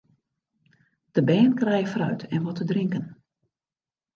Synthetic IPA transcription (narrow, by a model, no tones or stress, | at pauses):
d̥əbɛːnkrɛjəfrœ̰ɥtɛnʋɔtədrɪŋkən